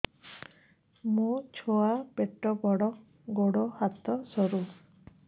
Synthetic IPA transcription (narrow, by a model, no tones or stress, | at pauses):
mũt͡ʃʰɔapeʈɔbɔɽɔ | ɡoɽɔhat̪ɔsɔɾu